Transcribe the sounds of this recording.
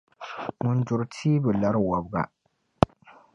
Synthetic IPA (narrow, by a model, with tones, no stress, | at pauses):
ŋʊ˨n˦d͡ʒʊ˨ɾtʰiː˦bɨ˨la˦ɾɨ˦wɔ˨bɡa̰˨